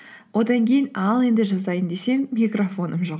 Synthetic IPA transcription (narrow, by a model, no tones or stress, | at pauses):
wʔo̞d̪ɑŋkʲʰe̞jɪnɑlˠe̞nd̪ɪʒɑzd̪ɑjənd̪e̞se̞ŋmʲikro̞fo̞nʔəmʒo̞q